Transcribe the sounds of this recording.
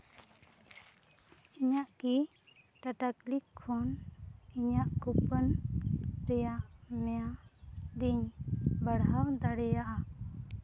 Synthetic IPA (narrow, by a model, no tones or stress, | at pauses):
iɲaʔki | ʈaʈaklikʰːɔniɲaʔkupən | pɾɛjaʔmɛjad̪iɲbəɽɦawd̪aɽɛjaʔa